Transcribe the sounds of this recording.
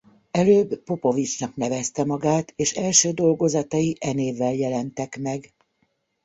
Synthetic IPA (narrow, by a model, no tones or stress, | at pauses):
ɛløːbpo̞povit͡ʃnɒknɛvɛst̪ɛmɒɡaːt̪eːʃɛlʃøːd̪o̞lɡo̞zɒt̪ɒjiʔɛneːvːɛljɛlɛnt̪ɛkmɛɡ